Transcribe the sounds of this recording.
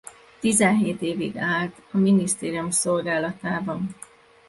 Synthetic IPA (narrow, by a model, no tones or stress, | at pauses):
t̪izɛnɦeːt̪eːvḭɡaːlt̪ɒminist̪eːɾijumso̞lɡaːlɒt̪aːbɒn